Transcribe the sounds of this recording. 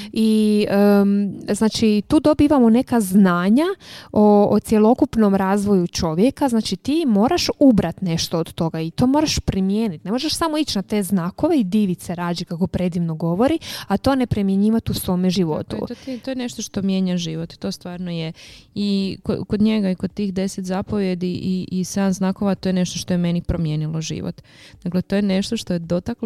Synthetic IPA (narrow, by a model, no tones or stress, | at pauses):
iəznaːt͡ʃit̪uːd̪o̞biːʋamone̞kaznaːɲaoːt̪sʲjelˠo̞kupno̞mɾaːzʋo̞jut͡ʃo̞ʋjekaznaːt͡ʃit̪iːmo̞ːɾaʃubɾat̪ne̞ʃt̪o̞od̪t̪o̞ɡait̪o̞ːmoːɾaʃpɾimjeːnit̪ne̞mo̞ʒeʃsamoit͡ɕnat̪e̞ːznaːko̞ʋe̞id̪iːʋit̪seɾaːd͡ʒikako̞pɾe̞d̪iʋno̞ɡo̞ʋo̞ɾiat̪o̞ːne̞pɾimjeɲiːʋat̪usʋo̞ːmeʒiʋo̞̰t̪ṵot̪t̪ojeneʃt̪oʃt̪o̞mje̞ːɲaʒiːʋot̪i̥t̪o̞ːst̪ʋaːɾnojeiko̰kod̪ɲeɡaikod̪̚t̪iːxd̪e̞set̪zapo̞ʋje̞d̪iʔiʔised̪amznaːko̞ʋat̪o̞jeneʃt̪oʃt̪o̞jemenipɾomje̞ːnilˠo̞ʒḭːʋo̰t̪ | d̥̪aklet̪o̞ːjeneʃt̪oʃt̪ojed̪o̞t̪ak